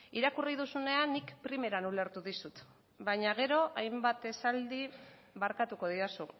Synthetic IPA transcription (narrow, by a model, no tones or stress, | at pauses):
iɾakuriðusune̞anːikpɾime̞ɾanule̞ɾt̪uðisut̪ | baɲaɣ̞e̞ɾo̞ʔajmbat̪e̞sald̪i | βaɾkat̪uko̞ð̞iɾasu